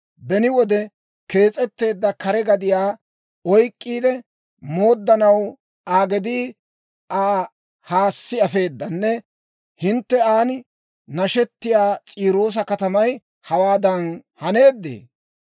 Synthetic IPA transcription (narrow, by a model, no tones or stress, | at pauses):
bɛnɪwɔd̪ɛ | ke̞ːt͡sʼɛt̪ːe̞ːd̪ːɐkɐɾɛɡɐd̪ɪjaː | ɔjkʼːiːd̪ɛ | mo̞ːd̪ːɐnɐw | aːɡɛd̪iː | ʔaː | haːsːɪɐfe̞ːd̪ːɐnːɛ | hɪnt̪ːɛaːnɪ | nɐʃɛt̪ːɪjaːt͡sʼiːɾo̞ːs̬ɐkɐt̪ɐmɐj | hɐwaːd̪ɐnhɐne̞ːd̪ːḛː